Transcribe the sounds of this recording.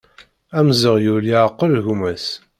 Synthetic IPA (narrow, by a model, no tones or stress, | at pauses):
æmzəʁjuliʕqːəlʝumæs